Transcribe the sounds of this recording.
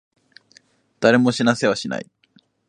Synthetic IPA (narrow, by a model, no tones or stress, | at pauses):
d̪̥aɾe̞mo̞ɕinase̞βaɕina̰i